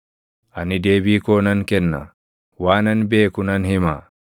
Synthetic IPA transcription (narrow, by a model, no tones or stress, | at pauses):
ʔɐnɪd̪e̞ːbiːkoːnɐŋkɛnːɐ̰ | waːnɐnbe̞ːkʊnɐnhɪma